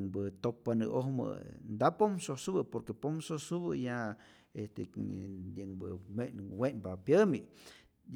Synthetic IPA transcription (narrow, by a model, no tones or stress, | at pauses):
ŋbɨt̪ok̚panɨohmɨ̰nd̪apomsosubɨpoɾkepomsosubɨja | est̪e | ɨŋbɨ̰meʔnwenbapjəmi